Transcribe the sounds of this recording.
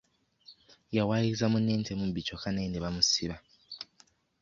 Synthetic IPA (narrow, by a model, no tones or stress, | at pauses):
jawaːjiizamunːeːnte̞mubit͡ʃokanendeβamusiβa